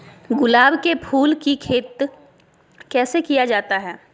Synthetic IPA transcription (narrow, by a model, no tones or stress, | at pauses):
ɡʊlaːbkepʰuːlkikʰeːt̪ | kɛːsekijad͡ʒaːt̪aɦɛː